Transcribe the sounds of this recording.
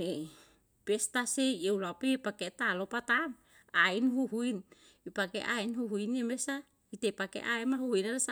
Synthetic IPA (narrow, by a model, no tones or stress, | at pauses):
e | pest̪aseeulapepaket̪alopat̪am | ainɦuɦuin | ipakḛʔajnɦuɦuinemesa | it̪epakḛʔaemaɦuhuinalasa